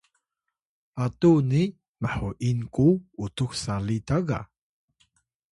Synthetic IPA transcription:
ʔatuni | maħuʔinkuutuxsalitaɡa̰

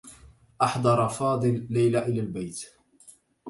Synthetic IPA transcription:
ʔɑħd̪ˤɑɾˤɑfɑːd̪ˤɨlːajlaʔɪlalbajt̪

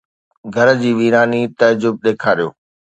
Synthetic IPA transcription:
ɡʱɐɾd͡ʑiːʋiːɾaːnit̪ɐd͡ʑʊb̚ɗeːkʰaːɾijo̰ː

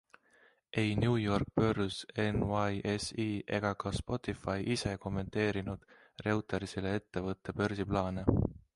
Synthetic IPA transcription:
ʔe̞jnʲjuːjo̞rk̚pø̞rse̞nvɑjʔesiːʔe̞̰ɡ̥ɑkɑspo̞t̪ːˑifɑjʔise̞ko̞mːe̞nt̪e̞ːɾinud̪̥ | re̞wt̪ˑɑɾisele̞e̞t̪ːe̞vɤt̪ːˑe̞pø̞rsiplɑːne

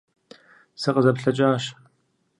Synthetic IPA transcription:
sɨqəzɐpɬɐt͡ʃʼaːʃ

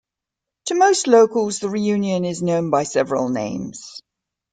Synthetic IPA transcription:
tʰəməʊstləʊkəlˠzðəɹijʉːnjə̃nɪznə̃ʊ̃nbaɪsɛvəɹə̰lˠnḛ̃ɪ̃mz̥

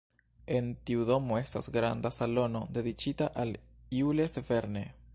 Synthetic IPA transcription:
ent̪iuðomoest̪asɡɾa̰nd̪asalonod̪e̞ðit͡ʃit̪aʔaliuleseveɾne

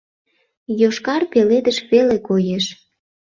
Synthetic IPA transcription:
joʃkɑrpeled̪əʃβelekojeʃ

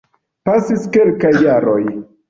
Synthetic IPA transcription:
pasiske̞lkajːaɾo̞j

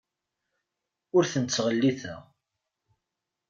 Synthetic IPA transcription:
ʊɾθənt͡sːʁəlːiθə̰ʁ

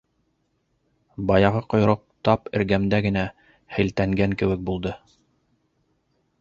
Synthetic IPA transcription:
bɑjɑʁɤqŏj̆ɾoq̚t̪ɑpɘ̰̆ɾɡæmd̪æɡɘ̆næ | hɘ̆lt̪æŋɡæŋkɘ̆wɘ̆k̚bulˠd̪ɤ

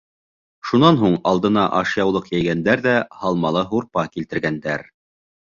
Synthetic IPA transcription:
ʃunɑnɦuɴɑlˠd̪ɤ̆nɑʔɑʃjɑwlˠɤqjæjɡænd̪æɾðæhɑlˠmɑlˠɤɦuɾpɑkilt̪ɘ̆ɾɡænd̪æɾ

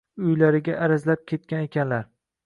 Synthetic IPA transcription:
ʊjlaɾɪɡʲaʔːɾazlap̚kʲʰe̞t̪̚kʲane̞kʲʰanlaɾ

